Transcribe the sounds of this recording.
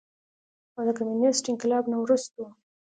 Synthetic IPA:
ad̪əkamjunɪsʈɪŋkɪlɑbnawɾust̪o

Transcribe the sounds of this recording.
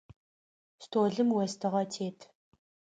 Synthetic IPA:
stʰoːɮɨmwɛstʰɨʁɐtʰeːtʰ

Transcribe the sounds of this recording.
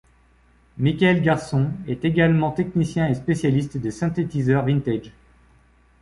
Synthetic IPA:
mikʲaɛlɡaʁsɔ̃ɛt̪eɡalmɑ̃t̪ɛknisjɛ̃espesjalist̪d̪əsɛ̃t̪et̪izœʁvĩnt̪ɛd͡ʒ

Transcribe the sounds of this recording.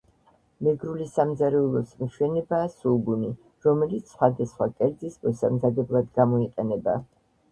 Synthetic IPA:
mɛɡɾulisamd̪zaɾɛulˠɔsmʃwɛnɛbaːsulɡuni | ɾɔmɛlit̪ssχwad̪asχwakʼɛɾd̪zismɔsamzad̪ɛblˠad̪ɡamɔiqʼɛnɛba̰

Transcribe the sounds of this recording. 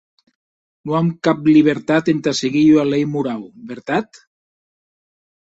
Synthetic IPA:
nuamkapliβ̞eɾt̪at̪ent̪aseɣiʎualejmuɾawβeɾt̪at̪

